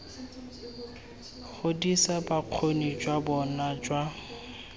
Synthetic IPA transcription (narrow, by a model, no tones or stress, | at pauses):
χʊdisabaq͡χʰonid͡ʒwabɔnad͡ʒwa